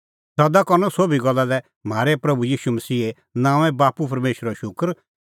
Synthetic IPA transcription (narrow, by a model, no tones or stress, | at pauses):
sɐd̪akɐɾnɔsoːbʱiɡɐlːalɛ | m̤ʱaːɾepɾɐbujiːʃumɐsiːe | nãːʋ̃ɛ̃baːpup̬ɐɾmeːʃɾɔʃʊkəɾ